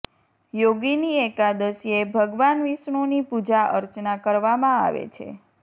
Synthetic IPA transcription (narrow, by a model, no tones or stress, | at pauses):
joɡiniekad̪əsiebʱəɡʋanʋiʃɳonipud͡ʒaʔə̰ɾt͡ʃnakəɾʋamãa̰ʋḛt͡ʃʰḛ